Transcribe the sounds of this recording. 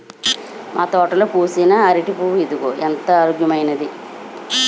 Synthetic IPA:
mʔaːt̪ɔːʈɐloːkuːsinɐɐɾiʈipuːʋid̪uɡoːʔent̪ɐaːɾoːɡjɐmɐjnɐd̪i

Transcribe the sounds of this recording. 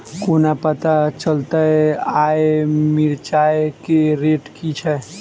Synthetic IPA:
konapət̪at͡ʃəlt̪əaemiɾt͡ʃaekeɾeʈkit͡ʃʰɛ

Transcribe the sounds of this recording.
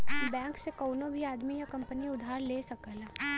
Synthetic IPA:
bɛ̃ːŋksekɔːnõbʱiaːd̪mijakɐ̃mpəniʊd̪ʱaːɾleːsɐkəla

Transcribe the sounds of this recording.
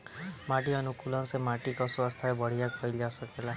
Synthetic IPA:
maʈiʌnukulɔnsemaʈikɔswɔst̪ʰaebɔɽ̤ijakɔild͡ʒasəkela

